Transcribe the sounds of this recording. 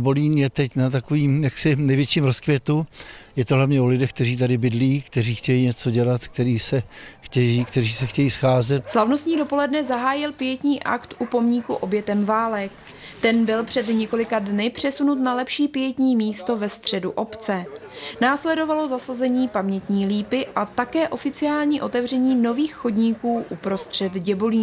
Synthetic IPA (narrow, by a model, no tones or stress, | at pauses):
boliːnjɛt̪ɛcnat̪akoviːmjaksɪnɛjvjɛt͡ʃiːmɾoskvjɛt̪ujɛt̪oɦlavɲɛolɪdɛxk̚t̪ɛriːt̪adɪbɪdliːkt̪ɛriːxcɛjiːɲɛt͡so̞ɟɛlat̪k̚t̪ɛɾiːsɛxcɛjiːkt̪ɛɾiːsɛxcɛjiːsxaːzɛt̪slavnost̪ɲiːdo̞po̞lɛdnɛzaɦaːjɪlpɪjɛt̪ɲiːʔa̰kt̪ʔupo̞mɲikuʔo̞bjɛt̪ɛmvaːlɛk | t̪ɛnbɪlpr̝̥ɛd̪ɲɛko̞lɪkadnɪpr̝̥ɛsunut̪nalɛpʃiːpɪjɛt̪ɲiːmiːst̪o̞vɛst̪r̝̥ɛdṵʔo̞pt͡sɛnaːslɛdo̞valo̞zasazɛɲiːpamɲɛt̪ɲiːliːpɪʔat̪akɛːʔo̞fɪt͡sɪaːlɲiːʔo̞t̪ɛvr̝ɛɲiːno̞viːxxo̞dɲiːkuːʔupɾo̞st̪r̝̥ɛt̪ɟɛboliː